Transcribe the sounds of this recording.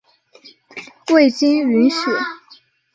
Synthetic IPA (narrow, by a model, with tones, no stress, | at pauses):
we˥˩ɪt͡ɕi˥ny˧˥nʂ̩˨˩˦